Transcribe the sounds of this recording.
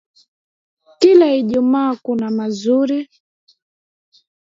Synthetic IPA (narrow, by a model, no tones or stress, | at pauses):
kilaiʄumaːkunamazuɾi